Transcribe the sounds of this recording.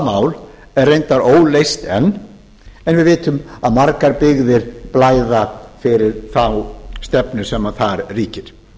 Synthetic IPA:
maːwl | ɛɾrejnt̪aɾoːwlejst̪ɛnː | ɛnvɪðvɪːt̪ʏmaðmaɾkaɾpɪɣðɪɾplaːjðafɪɾɪɾ̥θawst̪ɛpnʏ̥sɛmaθaɾriːcɪɾ̥

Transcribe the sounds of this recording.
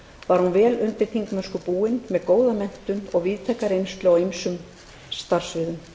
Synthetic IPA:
vaɾ̥hunvɛːlʏnt̪ɪɾ̥θʰiŋkmœskʏpuːɪnmɛðkoːwðamɛn̥t̪ʏnɔɣviːðt̪ʰɛkaɾejnst̪lœaemsʏm | st̪aɾ̥svɪðʏm

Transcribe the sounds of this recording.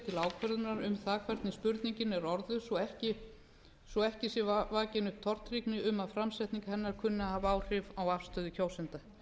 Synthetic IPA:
t̪ʰɪlaːwkʰvɛɾðʏnaɾʏmθaːkʰvaɾt̪nɪspʏɾt̪niɲcɪnɛɾɔɾðʏsɔɛhcɪ | sɔɛhcɪsjɛvavaːcɪnʏht̪ʰɔr̥t̪riknɪʔʏmaðfɾamsɛjht̪niŋkḁhɛnːaɾ̥kʰʏnːahaːvaaːwr̥ɪvawafst̪œðʏçʰoːwsɪnt̪a

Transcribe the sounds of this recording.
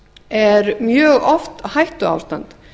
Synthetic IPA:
ɛɾmjœːɣɔft̪hajht̪ʏa̰ːwst̪ant̪

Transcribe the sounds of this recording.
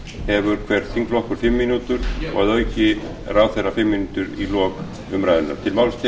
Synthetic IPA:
hɛvʏɾkʰvɛɾ̥ðθiŋkflɔhkʏɾ̥fɪmːinut̪ʏɾɔ̰ɣaðœːɥcɪ | ɛ̰ɾawθɛrafɪmːinuːt̪ʏɾilɔːk | ʏmɾajðɪnːa̰ɾt̪ʰɪlmawlst̪ɪ

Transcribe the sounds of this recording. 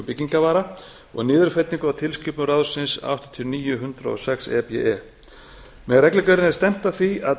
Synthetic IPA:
pɪcːiŋkavaːɾa | ɔ̰ɣnɪːðʏɾfejt̪niŋkʏvawt̪ʰɪlscɪpnʏɾaðʏɾ̥sɪnsa̰wht̪ʏnt̪ʰiniːjʏɦʏnt̪ɾa̰ɔ̰sɛksɛ̰ːpɛ̰ʔɛ | mɛɣrɛklɪkœːɾɪnɛɾ̥st̪ɛm̥t̪aθvia

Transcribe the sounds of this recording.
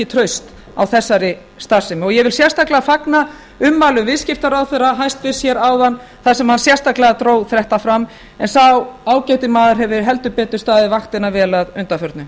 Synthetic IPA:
ɪt̪ʰɾœɥst̪ | a̰wθɛsːaɾɪ | st̪aɾ̥sɪmɔɣjɛvɪlsjɛr̥st̪aklɛɣafakna | ʏmːaːlʏvɪðscɪft̪aɾawθɛɾːaɦajst̪vɪɾ̥sjɛɾaːwðan | θaðsɛmhansjɛr̥st̪aklɛɣat̪ɾoːwɣθɾɛht̪afɾam | ɛnθawaːwcɛt̪ɪmaːðʏɾ̥ɦɛvɪɦɛlt̪ʏpɛːt̪ʏ̥st̪aːðɪvaxt̪ɪnavɛːlaðʏnt̪afœɾt̪nʏ

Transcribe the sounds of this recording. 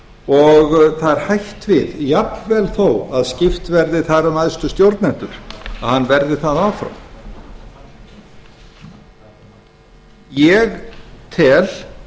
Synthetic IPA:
ɔɣθaðɛɾ̥hajht̪vɪðjap̪vɛlθowaðscɪft̪vɛɾðɪθaɾʏmaðst̪ʏst̪jowɾt̪nan̥t̪ʏɾ̥aðhanːvɛɾðɪθaðawfɾa̰wm | jɛɣt̪ʰɛːl

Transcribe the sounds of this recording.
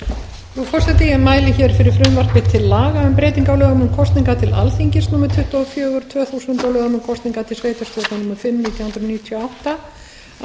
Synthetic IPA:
θufɔr̥sɛt̪ɪjɛmaːjlɪçɛɾ̥fɪɾɪ̥fɾʏmvaɾ̥pɪt̪ʰɪlːaːɣaʏmpɾeːt̪iŋkawlœːɣamʏnkʰɔst̪niŋkat̪ʰɪla̰lθiɲcɪsnuːmɛɾt̪ʰʏht̪ɔɔfjœːɣʏɾ̥t̪ʰvœːθuwsʏnt̪awlœːɣamʏnkʰɔst̪niŋkat̪ʰɪlskeːjt̪ḁst̪ɔt̪nanuːmʏɾfɪmniːt̪jahnd̪ɾɔniːt̪ʰjɔawht̪a

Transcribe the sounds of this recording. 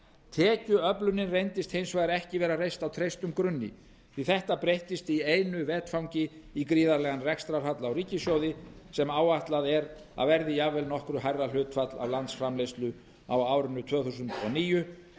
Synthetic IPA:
t̪ʰɛːcʏœplʏnːɪnrejnt̪ɪst̪hejmsvajðɾɛhcɪvɛːɾarejst̪awt̪ʰɾejst̪ʏmkɾʏnːɪ̰ | θiθɛht̪apɾejht̪ɪst̪iejnʏvɛːt̪fawɲcɪikɾiːðaɾlɛːɣanrɛkst̪ɾaɾ̥hat̪laawɾiːcɪsjoːwðɪsɛmaːwaht̪laðɛɾ | a̰ðvɛɾðɪjavɛlnɔhkɾʏɦajrːal̥ʏːt̪fat̪la̰vlant̪sfɾamlejst̪lʏ | awaːwɾʏnʏt̪ʰvœːθusʏnt̪ɔ̰niːjʏ

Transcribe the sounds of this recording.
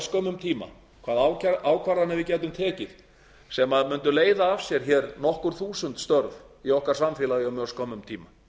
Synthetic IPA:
skɔmʏmt̪ʰiːma̰ | kʰvaːðaawaːwkʰvaɾðanɪvɪðcɛːt̪̬ʏmt̪ʰɛːcɪð | sɛmaðmʏnt̪ʏleːjðaːv̥sjɛɾ̥çɛɾnɔhkʏɾ̥θuːsʏnt̪st̪œɾviɔhkaɾ̥samfɪːlaðiawmjœskɔmʏmt̪ʰiːma

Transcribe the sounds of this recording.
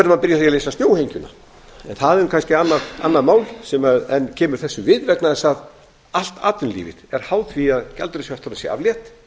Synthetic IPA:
ɛɾʏmaðpɪɾjaθialejsast̪joːwhejɲcʏna̰ | ɛ̰nθaðɛɾnukʰanscɪanːaða̰nːaðmaːwlsɛmaɛncʰɛːmʏɾ̥θɛsːʏvɪðvɛknaθɛsað | al̥t̪a̰ːt̪ʏnlḭːvɪ̰ðɛɾ̥haːwθʰviaðcɛlt̪ɾɪsjœht̪ɔɾnasjɛ̰a̰vljɛːt̪

